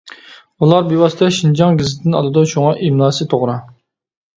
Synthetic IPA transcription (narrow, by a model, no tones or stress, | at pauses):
ulˠɑɾbiwɑst̪ɛʃind͡ʒɑŋɡʲizɪd̪ɪnɑ̰lˠɨd̪uʃuŋɑʔimlˠɑːsɨt̪ʰoʁɾɑ